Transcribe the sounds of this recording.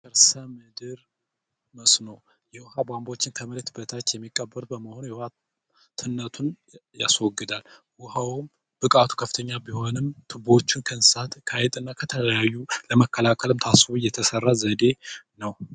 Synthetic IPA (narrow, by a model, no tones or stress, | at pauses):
kəɾsəmɨd̪ɨɾ | məsno | jɛwʊhabʷambot͡ʃːɪnk̪ʰəməlt̪bət̪ʰat͡ʃːjɛmːikʼːəbːəɾbəməho̞njɛwha | t̪ʰɨnːət̪ʰun | ja̰swɔɡɨd̪al | wʊhawm | b̥ɨkʼat̪ʰu̥kʰəfɨ̥t̪ʰəɲːabiho̞nɨmt̪ʰɨbo̞t͡ʃːɪnkʰənssat̪kʰajɛt̪ʼɨnːakʰət̪ʰələjajːuləməkːəlakʰəlɨmt̪ʰasɨβujɛt̪ʰəsərːazəd̪e̞nəw